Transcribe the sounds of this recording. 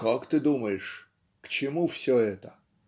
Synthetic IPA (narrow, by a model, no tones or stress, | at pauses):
kakt̪ɨd̪uməjɪʂ | kt͡ɕɪmufsʲoɛt̪ə